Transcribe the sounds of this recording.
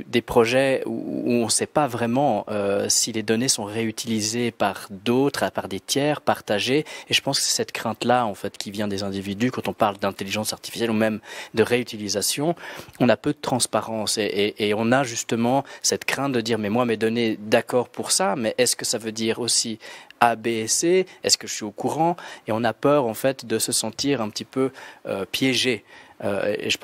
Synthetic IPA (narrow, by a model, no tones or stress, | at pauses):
d̪epχɔʒɛṵːɔ̃sɛpavʁɛmɑ̃øsiled̪ɔnesɔ̃ʁeyt̪ʰilizepaʁd̪ot̪χapaʁd̪et̪jɛːʁpaʁt̪aʒeeʒəpɑ̃skəsɛ̥sɛt̪kχɛ̃t̪laɑ̃fɛt̪kʲivjɛ̃d̪ezɛ̃d̪ivid̪ykɑ̃t̪ɔ̃paʁld̪ɛ̃t̪eliʒɑ̃saʁt̪ifi̥sjɛlumɛmd̪əʁeyt̪ilizasjɔ̃ɔ̃napød̪ət̪χɑ̃spaʁɑ̃seʔeʔːɔ̃naʒyst̪əmɑ̃sɛt̪kχɛ̃t̪̚d̪əd̪iːʁmɛmwamɛd̪ɔned̪akɔːʁpuʁsamɛʔɛskəsavød̪iːʁosiabeseɛskəʒəsɥiokuʁɑ̃eɔ̃napœːʁɑ̃fɛt̪d̪əsəsɑ̃t̪iʁɛ̃pət̪ipøø̰pjɛʒeø̰ḛḛʒə